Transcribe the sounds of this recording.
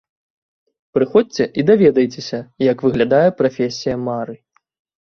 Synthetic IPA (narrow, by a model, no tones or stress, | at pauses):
pɾɨxɔt͡sʲt͡sʲɛʔid̪avʲɛd̪ɐjt͡sʲesʲɐjɐkvɨɣlʲad̪ajɛpɾafʲesʲijɐmaɾɨ